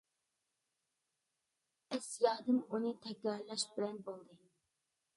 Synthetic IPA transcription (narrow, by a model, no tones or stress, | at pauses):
ɛsjɑːd̪ɨmunɨt̪ʰɛkʲɾɑɾlɑʃbɪlɛnbolˠd̪ɨ